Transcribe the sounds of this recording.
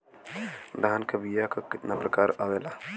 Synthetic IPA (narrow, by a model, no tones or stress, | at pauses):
ɾaɦənkɐbijakakɪt̪napɾɐkaːɾaʋeːlaː